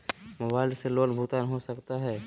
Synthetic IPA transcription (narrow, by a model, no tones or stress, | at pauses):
mobaːɪlseloːnbʱut̪aːnɦosɐkt̪aɦɛː